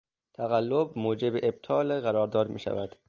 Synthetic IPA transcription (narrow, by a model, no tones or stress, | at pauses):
t̪ʰæɣælːobmoːd͡ʒebeʔeb̚t̪ʰɒːleɣæɾɒːɾd̪ɒːd̪mḭːʃæ̰væd̪̥